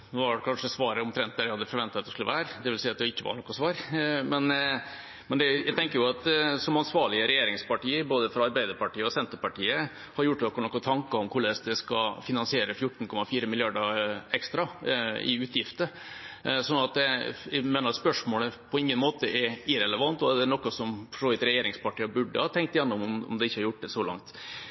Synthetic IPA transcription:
nɔʋɑɖɛkʰɑnʂəsʋɑːɾəɔmt̪ʰɾɛnt̪d̪æɾæhɑd̪ɛfɔɾʋɛnt̪ɑt̪d̪ɛskʉlə̰ʋæːɾd̪ɛʋɪlsiɪːɑt̪̚d̪ɛɪkːəʋɑ̰nɔkːəsʋɑːɾmɛn | mɛnd̪ɛjæɪt̪ɛŋkəɾjʊɑt̪sɔmɑnsʋɑːɭɪəɾɛjeːɾɪŋspɑʈiːəɾboːd̪əfɾɔɑɾbæɪd̪əɾpɑʈiːəɔsɛnt̪əɾpɑʈiːə | hɑɾjʊʈːnɔkːənɔkːɔt̪ʰɑŋkɑɔmkʰʊɭeːsd̪ɛskɑfɪnɑnsɪeːɾəfjʊʈːn̩kʰɔmɑfiːɾəmɪlɪɑɖəɛkst̪ɾɑɪ̰ʉːt̪jɪft̪ə | sɔnːɑt̪̚d̪ɛæmeːnɑɾspœʂmoːləpʰɔɪŋːənmoːt̪əʔɛɾɪɾɛləʋɑnt̪ɔd̪ɛnɔkːɔsɔmfʂoːʉt̪ɾɛjeːɾɪŋspɑʈiːəbʉɖəhɑt̪ʰɛŋk̚t̪jɛnːʊmʊmɔ̰md̪ɛɪçːəhɑɾjʊʈ̚ːd̪ɛsɔlɑ̰ŋt̪

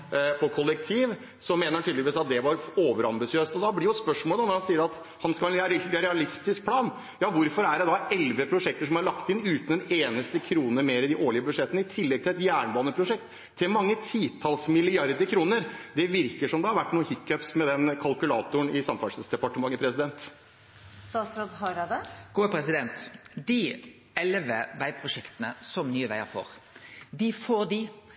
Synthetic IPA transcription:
pʰɔkʰɔlːɛk̚t̪ʰiːʋ | sɔmeːnəɾhɑnt̪ʰyːd̪əʋiːsɑt̪̚d̪ɛʋɑɾoːʋəɾɑmbɪsɪøːst̪ɔd̪ɑblɪɾjʊspœʂmoːlɑːnɔɾhɑnsiːəɾɑt̪ | hɑnskɑlɑnɾɛɑlɪst̪ɪsk̚pʰlɑːn | jɑːʋʊɾfɔɾæɖɛd̪ɑɛlʋəpʰɾʊʂɛk̚t̪əʂɔmɑɭɑkt̪ɪnːʉːt̪ənd̪ɛneːnəst̪əkʰɾuːnəɾmeːɾɪd̪ɪʔoːɭɪəbʉd̪ʂɛt̪ːənəɪt̪ʰɪlːɛɡ̚t̪ʰɪlɛt̪jæːɳəbɑːnəpʰɾʊʂɛk̚t̪ʰː | ɪlmɑŋːət̪ʰiːt̪ʰɑlsmɪlɪɑɾd̪əɾkʰɾuːnəɾd̪ɛʋɪɾkəʂɔmd̪ɛhɑɾʋæʈːnuːəhɪkːœpsmɛd̪ɛnkʰɑlkʉlɑːt̪ʊəɳɪsɑmfɑssd̪ɛpɑʈəmɑŋːəpʰɾɛsɪd̪ɛnt̪ | st̪ɑːt̪sɾoːd̪hɑɾɑd̪əɡ̥uːəpʰɾɛsɪd̪ɛnt̪d̪ɪ | ɛlʋəʋæɪpʰɾʊʂɛkt̪ənəsɔmnyːəʋæɪə̰ɾfo̰ːɾd̪ɪfoːɾd̪ɪ

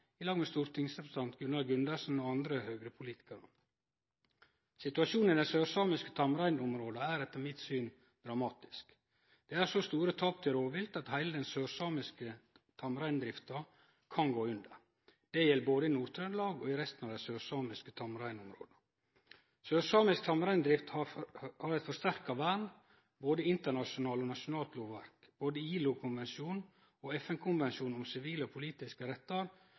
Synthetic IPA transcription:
ɪlɑːɡmɛst̪uːɾt̪ʰɪŋsɾɛpst̪ɑnt̪ɡʉnɑlɡʉnd̪əʂn̩ɔɑnd̪ɾəhøːɡɾəpʰʊliːt̪ɪ̥kəɾə̰ | sɪt̪ʉɑʃuːnənd̪æsøːɾsɑːmɪskə̥t̪ʰɑmɾæɪnʊmɾoːd̪ɑæːɾɛt̪ːəɾmɪt̪syːn | d̪̥ɾɑmɑːt̪ɪ̥sk | d̪̥ɛːæɾʂost̪uːɾət̪ʰɑːp̚t̪ʰɪlɾoːʋɪlt̪ɑt̪hæɪləd̪ɛnsøːɾsɑːmɪskə | t̪ʰɑmɾæɪnd̪ɾɪft̪ɑ | kʰɑnɡoːʉnd̪ə̰ɾ | d̪̥ɛjɛlːboːd̪əɪnuːɾt̪ʰɾœnlɑːɡɔːɪɾɛst̪nɑːʋd̪æɪsøːsɑːmɪskət̪ʰɑmɾæɪnʊmɾo̰ːd̪ə | søːsɑːmɪsk̚t̪ʰɑmɾæɪnd̪ɾɪft̪hɑhɑɾɛt̪fɔʂt̪æɾkɑʋæɳ | boːd̪əɪnt̪əɳɑʂʊnɑːlɔnɑʂʊnɑːlt̪loːʋʋæ̰ɾk | b̥oːd̪əiːlʊkʰʊnʋɛnsɪuːn | oɛfɛnkʰʊnʋɛnʃuːn̩ʊmsɪʋiːləɔpʰʊliːt̪ɪskəɾɛt̪ːɑɾ

